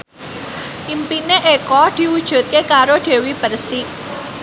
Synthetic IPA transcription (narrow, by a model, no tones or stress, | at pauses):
ʔimpineʔekɔd̪̥i̤ud̥ʒ̥ṳt̪̚kekaɾoɖ̥e̤wib̥ərsɪk̚